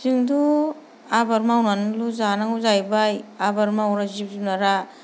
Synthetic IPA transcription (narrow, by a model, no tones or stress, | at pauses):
ziŋdu | abaɾmawnanluzanaŋuzajbajabaɾmawɾazib̚zipnaɾa